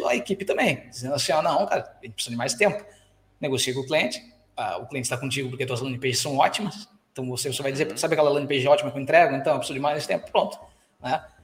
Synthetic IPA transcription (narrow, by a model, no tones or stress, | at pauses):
ɐekipɪt̪ɐ̃mbẽj̃d͡ʒizẽnd̪ɐsĩɔnɐ̃w̃kaɾɐʒẽt͡ʃpesizɐd͡ʒɪmajst̪ẽmpʊ̥ | neɡosiekõʊkliẽnt͡ʃɪ̥ | a̰ʊkliẽt͡ʃɪ̥st̪akõt͡ʃiɡʊp̬oɾked̪od̪ɐzlɐ̃nɪ̃ipeʒɪsːɐ̃w̃ɔt͡ʃimɐsẽt̪ɐ̃w̃vosevosevajd͡ʒɪzeɾsabɪakɛlɐlɐ̃nɪpeʒɛɔt͡ʃimɐkewẽnt̪ɾɛɡʊẽɐ̃ɛ̃pesizod͡ʒɪmajznesɪ̥t̪ẽpʊ̥pɾõnt̪ʊ̥ | nɛ